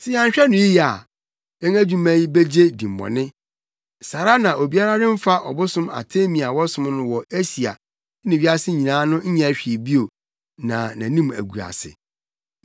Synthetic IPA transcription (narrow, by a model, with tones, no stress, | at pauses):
sʰɪ˦a˦ɲ˨ɕᶣɛ˦nʊ̃˨ji˦ja˨ | ɛ̃˦ŋæ˦d͡ʑᶣu˦mæ̃˦ji˦be˦d͡ʑe˦dĩ˨m̩˨bɔ̰̃˨nɪ̃˦ | sa˨ɾa˦nã˨ʔo˨bi˦a˦ɾa˦dɪ̃˦m̩˦fa˦ʔɔ˨bʊ˦sʊ̃˦ma̰˨tʰe˦mĩ˨a˨wɔ˦sʊ̃˦m˦nʊ̃˦wɔ˨e˦si˨a̰˨˦ | nɪ̃˨ɥi˦a˦sɪ˦ɲĩ˨nãː˨˦nʊ̃˦ɲ̩˦ɲɛ̃˨æ˨ɕᶣi˨bi˦o˨ | nã˨nã˨nĩ˦mæ̰˨ɡu˨a̰˨sɪ̰˨